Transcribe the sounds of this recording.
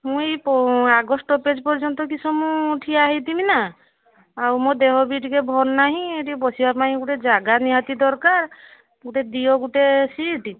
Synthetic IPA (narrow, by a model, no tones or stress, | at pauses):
mũjpɔaɡɔsʈɔped͡ʒpɔɾd͡ʒɔnt̪ɔkisɔmuʈʰiaɦit̪imina | awmod̪eɦɔbiʈikebʱɔnnaɦĩeʈibɔsibapaĩɡuʈed͡ʒaɡaniɦat̪id̪ɔɾkaɾ | ɡuʈed̪iɔɡuʈesiʈi